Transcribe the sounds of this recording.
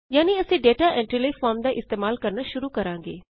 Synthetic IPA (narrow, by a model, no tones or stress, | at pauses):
jaːniɐsĩɖeːʈaʔɛ̃ɳʈilefaːɾmd̪aʔɪst̪eːmaːlkɐɾnaʃʊɾukɐɾãːŋɡḛː